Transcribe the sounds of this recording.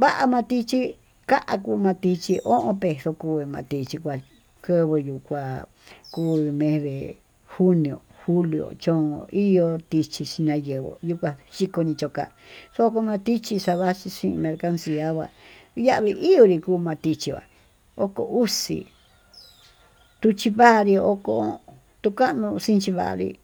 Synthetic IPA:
βa˦ʔa˧mã˧t̪i˧t͡ʃi˦ | ka˦ʔa˧kuː˧mã˧t̪i˧t͡ʃi˧ʔo˦ʔõ˧pe˧so˧kuː˧βmã˧t̪i˧t͡ʃi˧kʷa˧ | kə˦βɨ˧ju˧kʷa˧ | kuː˦˧mẽ˧hðḛ˨ | hu˦nĩ˨o̰˨xu˦li˧˨o̰˨t͡ʃõ˦˧˦i˦jo˧t̪i˧t͡ʃi˧t͡ʃi˧nã˧je˨βo̰˨ju˧kʷa˧ʃi˦ko˧ɲĩ˧t͡ʃo˧ka̰˧˨so˧˦o˧ko˧mã˧t̪i˦t͡ʃi˧sa˧βa˦t͡ʃi˧ʂĩ˦˧mẽ˧ɾka˧nsi˧a˦βʷa̰˧˨ja˦ʔβi˧ʔi˦jo˧ɾi˧kuː˦˧mã˧t̪i˧t͡ʃi˧βa̰˨ | o˦ko˧u˦sḭ˧ | t̪u˧t͡ʃi˧βa˦ʔɾi˧o˦ko˧ | t̪u˧ka˦ʔnũ˧sĩ˦nt͡ʃi˧βa̰˧˨a̰˧ɾḭ˧

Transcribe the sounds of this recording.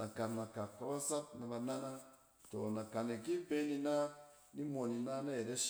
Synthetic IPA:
na˨ka˨na˨ka˨ka˦ba˦sa˦p̚na˧ba˧nã˦ʔa˦ | to˨nã˨ka˨ne˨ɡi˦be˦nĩ˧na˦ | ni˦mo˨nĩ˧na˦na˦e˨ɾe˦ʃ

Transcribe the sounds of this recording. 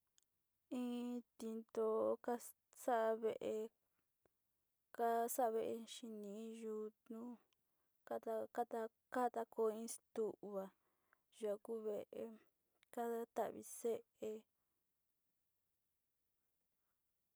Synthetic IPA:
ĩː˦t̪i˧nt̪o˧ka˦ | sa˦ʔa˧βe˧˨ʔe˧ | ka˦sa˦a˧βe˧ʔe˧ʃi˧nĩ˧˨˦ju˧t̪nũ˦ | ka˦t̪a˧ka˦t̪a˧ | ka˦t̪a˧ko˧˦ĩ˦st̪u˦˧ʔβa˨ | ʒa˨˧ku˦βe˦˨ʔe˨˧ | ka˦ða˦t̪a̰˧˨βḭ˧se˦ʔe˧

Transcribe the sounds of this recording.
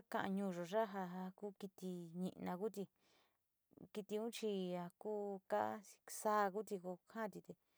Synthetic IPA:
a˦kã˧ʔã̰˧ɲũː˧ʐo˨ʐa˦ɦa˧a˧ku˦ki˧t̪i˧ɲḭ̃˧ʔnã˧ku˦t̪i˧ | ki˧t̪i˧ũ˦t͡ʃi˧a˧kuː˦kḁ˦˧sa˦˧ku˦t̪i˧ko˧hã˦˧t̪i˧t̪e˧

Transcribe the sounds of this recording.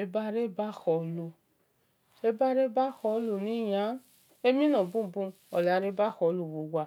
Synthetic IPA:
e˦ba˦ɾe˦˨ba˦xɔ˧˨lo˧ | ʃe˦ba˦ɾe˦ba˦xɔ˧˦lo˧˨nĩ˨˦jã˨˦ | e˦mĩ˦nɔ̃˨bũ˦m˨bũ˦m˨ɔ˨la˨˧˦ɾe˦ba˦xɔ˧˨˦lo˧˨wo˨wa˧˨

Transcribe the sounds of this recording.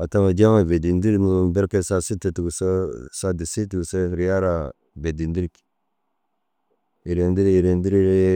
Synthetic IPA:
a˨ta˦ma˨d͡ʒa˦ma˨ve˨di˨ndi˦ɾmu˨be˦ɾke˦˨sa˦si˦te˨ti˨ɡu˨sa˦sa˦di˨si˦ti˨ɡu˨sa˦ɾi˦ja˦ɾa˨ | be˨di˨ndi˦ɾi˦˨ki̥˨ | i˨ɾe˨ndi˦ɾi˦i˨ɾe˨ndi˦ɾi˦ɾe˦

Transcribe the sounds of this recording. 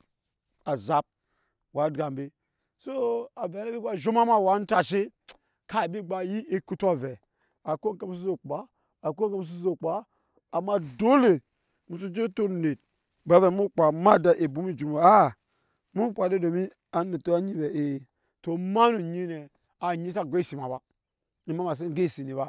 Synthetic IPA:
a˨za˨p̚ | wa˨˦dɡa˨mbe˦ | so˦a˨ve˨na˦bi˦ɡ͡ba˦ʒo˦ma˦ma˦˨wa˨˦n̩˦ta˨ʃi˦ | ka˦˨bi˦ɡ͡ba˨ji˦ʔi˦ku˦ta˦vɛ˨ | a˨ko˦ke˦m˦s̬u˦o˨k͡pa˦ | a˨ko˦ke˦m˦s̬u˦zo˨k͡paː˦˨ | ma˦do˦le˨ | mu˨tu˦d͡ʒe˦to˦ɾne˨t̚ | ba˨˦ve˨mu˦k͡pa˨ma˦da˦ʔe˨bu˦mi˦d͡ʒu˨ɾma˨a˦˨ | mu˦k͡pa˨de˦do˨mi˦ | a˨˦ne˨to˦a˦ɲi˦bɛ˨e˨ | to˨ma˦nu˨ɲi˦ne˨ | a˨ɲi˦ta˦˨ɡʷe˦i˦si˨ma˨ba˦ | i˨ma˦ma˨s̬e˦ɡe˦˨si˨ni˨ba˦

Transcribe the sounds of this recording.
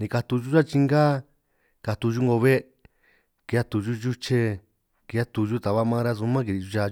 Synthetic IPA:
nĩ˧ka˧t̪u˧ʒu˦t͡ʃa˦t͡ʃi˧ŋɡa˦ | ka˧t̪u˧ʒu˦ŋɡo˧βe˦ | ki˨˧a˦t̪u˧ʒu˦ʒu˦t͡ʃe˧ | ki˧a˦t̪u˧ʒu˦t̪a˨βa˦mã˦˧ɾa˦˧su˧mã˦k̬i˧ɾi˧ʒu˧t͡ʃa˧

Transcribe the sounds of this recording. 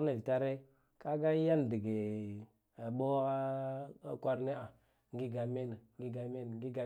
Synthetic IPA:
na˨i˨ta˦ɾe˦ | ka˦ɡa˦ja˦n˨di˨ɡe˨ | ɓo˦ɣa˦ | kʷa˦ɾne˦a˨ | ŋɡi˦ɡa˨me˦n˨ŋ˦ɡi˦ɡa˨me˦n˨ɡi˦ɡa˨

